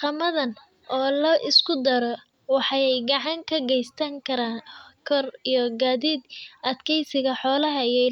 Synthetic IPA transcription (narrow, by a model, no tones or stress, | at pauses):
qɑmɐðɐn | ʔɔːlɐʔɪskʰʊd̪ɐɾɔ | wɑħɑjɛjɡɑʕɑŋkʰɐɡɛjst̪ʰɐŋkʰɐɾaːnkʰɔrijɔɡaːðiːd̪ʔɐd̪kʰɛjsɪɣɐħɔːlɐɦɐijɛ